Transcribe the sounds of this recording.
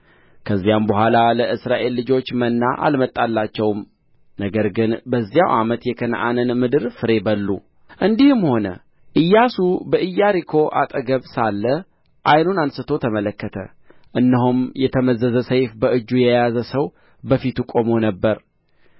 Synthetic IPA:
kʰəzːijambəɦʷalaləʔɨsɾaʔe̞lːɨd͡ʒo̞t͡ʃːmənːaʔa̰lmət̪ʼːalːat͡ʃːɛwm | nəɡəɾɡɨnbəzːija̰wʔa̰mət̪jɛkʰən̰ʔa̰nɨnmɨd̪ɨɾfɨɾe̞bəlːṵ | ʔɨnd̪ihɨmho̞nə̰ | ʔɨjːasubəʔɨjːaɾikʰo̞ʔa̰t̪ʼəɡəβsalːə | ʔajnunansɨt̪ʰo̞t̪ʰəmələkːət̪ʰə | ʔɨnːəɦumjɛt̪ʰəməzəzəsəjfbəʔɨd͡ʒːujɛjazəsəw | bəfit̪ukʼo̞mo̞nəbːəɾ

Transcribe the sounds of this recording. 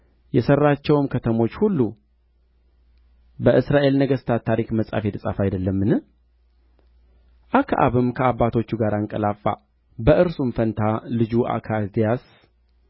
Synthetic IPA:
jɛsərːat͡ʃːɛwɨmkʰət̪ʰəmo̞t͡ʃːhulːu | bəʔɨsɾaʔe̞lnəɡəst̪ʰat̪ʰːaɾikməsʼa̰fet̪ʰɨsʼa̰fajd̪əlːəmːɨnɨ | ʔakʰaʔa̰βɨmkʰəabːat̪ʰo̞t͡ʃːuɡaɾaŋkʼə̰lafːa̰ | bəʔɨɾsumfənt̪ʰalɨd͡ʒuʔa̰kʰad̪ijas

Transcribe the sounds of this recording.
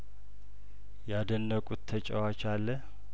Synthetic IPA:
jad̪ənːəkʼut̪ʰːət͡ʃʼə̰wat͡ʃalːə

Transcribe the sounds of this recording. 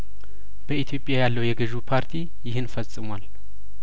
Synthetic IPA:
b̥əit̪ʰijo̞pʼjajalːəwjɛɡɨʒupʰaɾt̪ʰi | jɪhɨnfəsʼɨmwal

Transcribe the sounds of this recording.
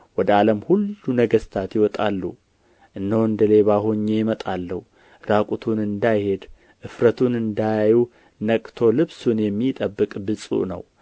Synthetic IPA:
wɔd̪əaləmhulːunəɡəst̪ʰat̪jɪwɔt̪ʼalːṵ | ʔɨnːəwɨnd̪əle̞βaɦoɲːejɪmət̪ʼalːəhu | ɾakʼut̪ʰunɨnd̪ajhe̞d̪ | ʔɨfɾət̪ʰunɨnd̪ajaju | nəkʼt̪ʰo̞lɨβsunjɛmːit̪ʼəbːɨkʼbɨsʼṵʔnə̰w

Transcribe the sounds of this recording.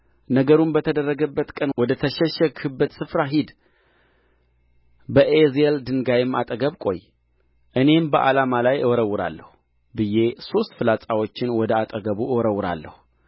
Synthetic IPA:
nəɡəɾunbət̪ʰəd̪ərːəɡəbːət̪kʼənwɔd̪ət̪ʰəʃɛʃɛkhɨbːət̪sɨfɾaɦid̪ | bəʔezeld̪ɨŋɡajɪmːa̰t̪ʼəɡəβkʼo̞̰jː | ʔɨne̞mbəʔa̰lamalajɨwɔɾəwːɨɾa̰lːəhu | bɨje̞so̞st̪fɨlat͡sʼawo̞t͡ʃːɪnwɔd̪əat̪ʼəɡəβuɨwɔɾəwːɨɾa̰lːə̰hu

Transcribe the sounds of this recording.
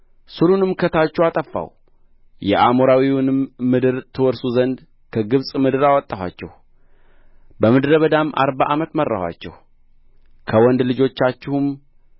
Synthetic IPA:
sɨɾunɨmkʰət̪ʰat͡ʃːɛwat̪ʼəfːa̰w | jɛ̰ʔamoɾawiwnɨmmɨd̪ɨɾt̪ʰɨwɔɾsuzənd̪ | kʰəɡɨβsʼmɨd̪ɨɾawɔt̪ʼːahʷa̰t͡ʃːɛ̰h | bəmɨd̪ɾəβəd̪amʔa̰ɾbaʔamət̪mərːa̰hwa̰t͡ʃːɛ̰h | kʰəwɔnd̪lɨd͡ʒo̞t͡ʃːat͡ʃːɪhum

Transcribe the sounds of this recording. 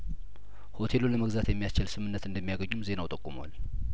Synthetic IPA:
ho̞t̪ʰe̞loləməɡzat̪jɛmːijast͡ʃɪlsɨmɨnːət̪ɨnd̪əmːijaɡəɲːumze̞nawt̪ʼəkʼːumwa̰l

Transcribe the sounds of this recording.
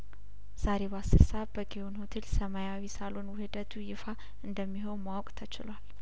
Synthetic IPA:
z̥aɾebasɨɾsabəɡeonhot̪ʰelsəmajawisalonwʊhɨd̪ət̪ʰujɪfa | ɨnd̪əmːiɦo̞nmawkʼt̪ʰət͡ʃɪlwal

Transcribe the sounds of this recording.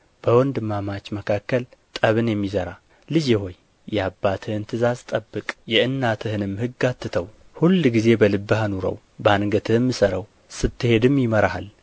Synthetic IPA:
b̥əwɔnd̪ɨmːamat͡ʃːməkʰakːəlt̪ʼəβɨnjɛmːizəɾa | lɨd͡ʒɛho̞jː | ɛabːat̪ʰɨhɨnt̪ʰɨzazt̪ʼəbːɨkʼjɛʔɨnːat̪ʰɨhɨnɨmhɨɡat̪ʰːɨt̪ʰəw | hulːɡize̞bəlɨbːɨhanuɾə̰w | bəanɡət̪ʰɨhɨmːɨsəɾəw | sɨt̪ʰːɨhe̞d̪ɨmjɪməɾaha̰l

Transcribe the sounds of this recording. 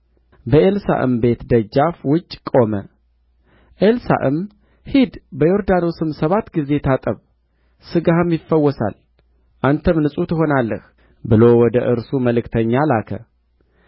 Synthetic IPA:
bəʔelsa̰ʔɨ̰mbe̞t̪d̪əd͡ʒːafwʊt͡ʃʼːkʼo̞mə | ʔelsa̰ʔɨm | hid̪bəjo̞ɾd̪ano̞sɨmsəβat̪ɡize̞t̪ʰat̪ʼəβ | sɨɡahɨmjɪfːəwːɔsa̰l | ʔant̪ʰəmnɨsʼut̪ʰɨɦo̞nalːəh | bɨlo̞wɔd̪əʔɨɾsuməlɨkt̪ʰəɲːalakʰə̰

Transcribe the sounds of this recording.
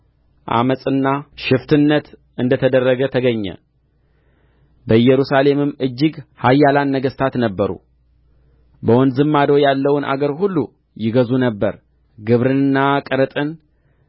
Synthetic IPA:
ʔa̰məsʼɨnːaʃɪft̪ʰɨnːət̪ | ɨnd̪ət̪ʰəd̪ərːəɡət̪ʰəɡəɲːə̰ | bəjɛɾusale̞mɨmːɨd͡ʒːɪɡhajːalanːəɡəst̪ʰat̪nəbːəɾṵ | bəwɔnd̪zɨmːad̪o̞jalːəwʊnʔa̰ɡəɾhulːu | jɪɡəzunəbːəɾ | ɡɨβɾɨnɨnːakʼəɾət̪ʼɨn

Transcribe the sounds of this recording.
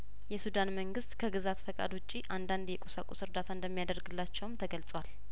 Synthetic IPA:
jɛsud̪anməŋɡɨst̪kʰəɡɨzat̪fəkʼa̰d̪wɔt͡ʃʼːiʔand̪and̪jɛkʼusakʷʼusɨɾd̪at̪ʰaɨnd̪əmːijad̪əɾɡɨlːat͡ʃːɛwmt̪ʰəɡəlsʼwal

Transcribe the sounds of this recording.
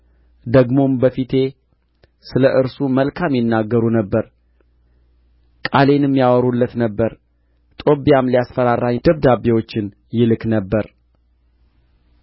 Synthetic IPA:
d̪əɡmo̞mbəfit̪ʰe̞ | sɨləʔɨɾsuməlkʰamjɪnːaɡːəɾunəbːəɾ | kʼale̞nɨmːjawəɾulːət̪nəbːəɾ | t̪ʼo̞bjamlijasfəɾarad̪̥əβd̪abewo̞t͡ʃːɪn | jɪlɨknəbːəɾ

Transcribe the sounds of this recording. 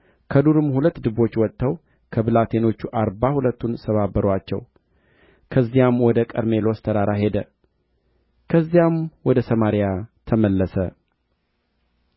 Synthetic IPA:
kʰəd̪uɾɨmhulət̪ːd̪ɨβo̞t͡ʃːwɔt̪ːəw | kʰəbɨlat̪ʰe̞no̞t͡ʃːuʔaɾbahulət̪ːunsəβabəɾwat͡ʃːɛ̰w | kʰəzːijamwɔd̪əkʼə̰ɾme̞lo̞st̪ʰəɾaɾʔaɦe̞d̪ə | kʰəzːijamwɔd̪əsəmaɾijat̪ʰəməlːəsə

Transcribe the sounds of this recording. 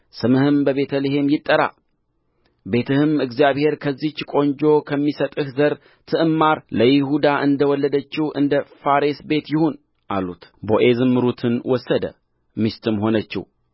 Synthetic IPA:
sɨmɨhɨmbəβe̞t̪ʰəlehe̞mjɪt̪ʼːəɾa̰ | be̞t̪ʰɨhɨmɨɡzijaβhe̞ɾkʰəzːit͡ʃːkʼo̞ɲd͡ʒo̞kʰəmːisət̪ʼɨhzəɾ | t̪ʰɨʔɨmːaɾləjɪɦud̪aʔɨnd̪əwɔlːəd̪ət͡ʃːɪhʔɨnd̪əfaɾesbe̞t̪jɪhon | ʔa̰lut̪boʔe̞zɨmːɨɾut̪ʰɨnwɔsːəd̪ə̰ | mist̪ʰʼɨmɦo̞nət͡ʃːɪ̰h

